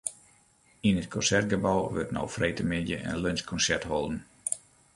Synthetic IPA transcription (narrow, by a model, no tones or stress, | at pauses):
inət̚kʰɔnsɛrt̚ɡəbawʋø̰rtnɔ̰wfrʔejtəmɪndjə̰ʔə̰nlønskʰɔnsɛrthɔlˠdən̩